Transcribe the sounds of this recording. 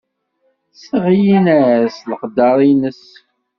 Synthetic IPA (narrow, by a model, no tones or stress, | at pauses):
səʁjinæsləqd̪ːɑɾˤinəs